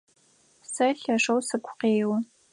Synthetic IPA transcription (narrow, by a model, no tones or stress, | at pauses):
sɐɬɐʂɐwsɨkʷʰqeːjwɐ